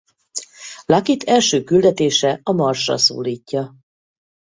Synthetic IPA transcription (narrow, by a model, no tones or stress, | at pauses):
lɒkit̪ʰɛlʃøːkyld̪ɛt̪eːʃɛɒmɒrʃrɒ̰so̰ːliːcːɒ